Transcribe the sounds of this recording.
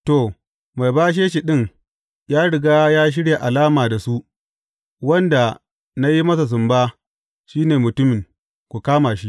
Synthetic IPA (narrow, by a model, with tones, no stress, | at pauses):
to˨ | ma˨jbaː˦ʃ̬eː˦ʃi˨ɗɪ˦ŋ | jaː˦ɽɪ˨ɡaː˦jaː˦ʃ̬ɪ˦ɽja˨ʔa˨laː˦maː˨da˨su˦ʔ | wɐ˦nda˨ | na˦ji˦mɐ˦s̬a˨s̬ʊ˨mbaː˦ | ʃiː˦neː˨mʊ˨tʊ˦mɪ˨ŋ | kʷu˨kaː˦maː˨ʃi˦ʔ